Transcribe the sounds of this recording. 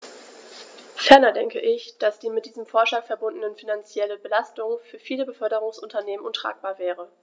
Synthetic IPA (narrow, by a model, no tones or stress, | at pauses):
fɛɐnɐdɛŋkəʔɪçd̥asd̥iːmɪt̚d̥iːzəmfoːɐʃlaːkfɛɐbʊndənənfinant͡sjɛləbəlastʊŋfyːɐfiːləbəfœɐɾəʁʊŋsʔʊntɐneːmənʊntʁ̥a̰ːk̚b̥aːɐvɛːʁ̞ə